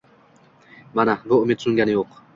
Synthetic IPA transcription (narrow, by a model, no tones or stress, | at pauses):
manabʊʊmɪt̪sʊŋʲɡʲanɪjoq